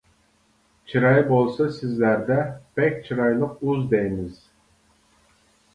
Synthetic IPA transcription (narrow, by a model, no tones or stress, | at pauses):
t͡ʃʰiɾɑjbolˠsɑsizlæɾd̪ɛpɛk̚ʲt͡ʃʰiɾɑjlˠəquzd̪ejmiz̥